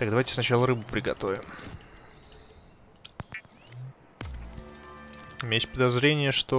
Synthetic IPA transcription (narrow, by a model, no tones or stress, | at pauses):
t̪aɡd̪ɐvajtʲɪ̥snɐt͡ɕalˠəɾɨbɨpɾʲɪɡɐ̰t̪o̞vʲɪm | ɪmʲesʲpəd̪ɐzɾʲenʲɪjəʂt̪o